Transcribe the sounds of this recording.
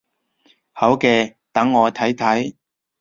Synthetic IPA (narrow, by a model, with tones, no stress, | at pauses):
hɐ˨˥wkɛː˧ | t̪ɐ˨˥ŋːɔː˨˧t̪ʰɐ˨˥jt̪ʰɐ˨˥j